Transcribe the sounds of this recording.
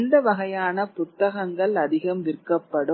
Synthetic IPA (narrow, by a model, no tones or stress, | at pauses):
nd̪ɐʋɐɣɐjaːnɐpʊt̪ːɐɣɐŋɡɐɭɐðɪɣɐmʋɪɾkɐpːɐɽɯ